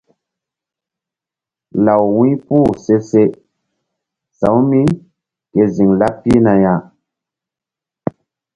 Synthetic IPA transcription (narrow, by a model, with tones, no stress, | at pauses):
la˨wwĩ˦pu˦˨se˦se˦ | sã̰˨˦wmi˦ | ke˨zi˨ŋla˦pi˦na˨ja˨